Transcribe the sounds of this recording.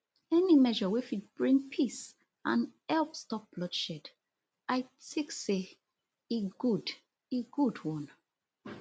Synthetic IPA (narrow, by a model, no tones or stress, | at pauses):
ɛnimɛʒəwifit̚b̥ɹĩŋpʰis | ã̰nɛlpstɔp̚b̥lɔdʃɛd | aɪtikse | eɡud | eɡudwɔ̃n